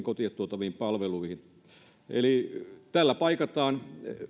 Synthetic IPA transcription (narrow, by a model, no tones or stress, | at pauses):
ŋkot̪iet̪t̪uot̪ɑʋiimpɑlʋeluihin | ʔḛlit̪ælːæpɑikɑt̪ɑːn